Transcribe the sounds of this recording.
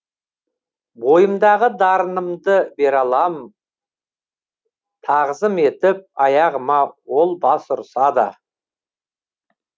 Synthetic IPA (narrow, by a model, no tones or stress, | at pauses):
bo̞jəmd̪ɑʁəd̪ɑɾənəmd̪əbe̞ɾɑlˠɑm | t̪ʰɑʁəzəme̞t̪ɪp̚ɑjɑʁəmɑwo̞lˠbɑsʊɾsɑd̪ə̰